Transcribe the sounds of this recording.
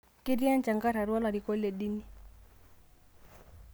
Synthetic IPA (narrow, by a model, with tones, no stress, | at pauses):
ki˦ɾi˦a˦nt͡ʃa˨ŋɡa˦ɾa˨ɾwa˦la˨ɾi˨kɔ˦lɛ˨ɗi˦ni˦